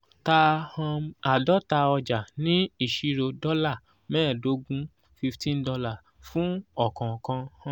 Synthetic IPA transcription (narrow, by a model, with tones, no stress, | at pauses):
ta˧hã˧a˨dɔ˦ta˧ɔ˧d͡ʒa˨nĩ˦i˦˨ʃi˨˧ɾo˧dɔ˦la˦˨ | mɛ̃ː˦˨do˦ɡũ˦ | fi˧ftĩ˦n˦dɔ˧la˦˨ | fũ˦ɔ˦˨kã˨kã˧hã˦